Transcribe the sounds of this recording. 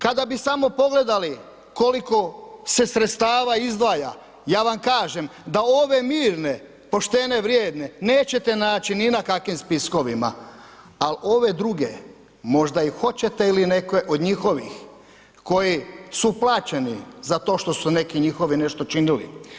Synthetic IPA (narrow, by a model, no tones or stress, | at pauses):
kad̪abisamo̞po̞ɡle̞d̪ali | ko̞liko̞se̞sɾet̪st̪aːʋaizd̪ʋaːja̰ | jaːʋamkaːʒe̞md̪ao̞ʋe̞miːɾne̞ | po̞ʃt̪e̞ne̞ʋɾjeːd̪ne̞neːt͡ɕe̞t̪e̞naːt͡ɕininakakʋimspisko̞ʋima̰ | alo̞ʋe̞d̪ɾuɡe | mo̞ʒd̪aixo̞t͡ɕe̞t̪e̞iline̞kʋe̞ʔo̞d̪ɲixo̞ʋḭx | ko̞jisuplˠaːt͡ɕe̞nḭzat̪o̞ːʃt̪o̞sune̞kiɲixo̞ʋine̞ʃt̪o̞t͡ʃinilḭ